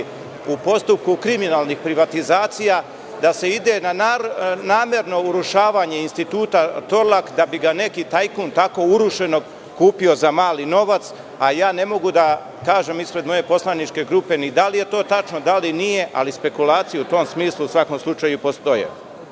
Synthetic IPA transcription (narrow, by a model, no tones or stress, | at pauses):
upo̞st̪up̚kukɾiminaːlˠnixpɾiʋat̪izaːt̪sija | d̪ase̞id̪e̞na | naːme̞ɾno̞uɾuʃaːʋaɲe̞inst̪it̪uːt̪at̪o̞ɾlˠakd̪abiɡane̞kit̪ajkunt̪ako̞uɾuʃe̞no̞ɡ | kuːpio̞zamaːlino̞ʋat̪s | ajaːne̞mo̞ɡud̪a | kaːʒe̞mispɾe̞d̪mo̞je̞po̞slˠanit͡ʃke̞ɡɾupe̞nid̪alije̞t̪o̞ːt̪at͡ʃno̞d̪alinije̞ʔa̰lispe̞kulaːt̪sijuut̪o̞msmiːslˠusʋako̞mslˠut͡ʃajupo̞st̪o̞jḛ